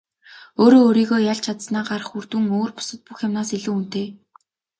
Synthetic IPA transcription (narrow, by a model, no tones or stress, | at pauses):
oːɾoːɾiːɣoːjaɮt͡ɕʰat̪snaːɢaɾə̆χurt̪ɘ̆ŋoːrpʊ̥sə̆t̪̚puxjamnaːsiɮŭːun̥t̪eː